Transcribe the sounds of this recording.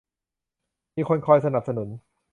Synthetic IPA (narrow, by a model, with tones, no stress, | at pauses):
miː˧kʰo˧nkʰɔː˧jsa˧na˨˩p̚sa˧nu˩˦n